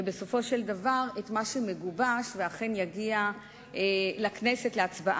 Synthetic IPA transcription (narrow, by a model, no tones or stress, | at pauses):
ebeso̞fo̞ʃeldavaʁetmaʃeme̞ɡubaʃveaχe̞njaɡia | elaknesetleat͡sbaʔ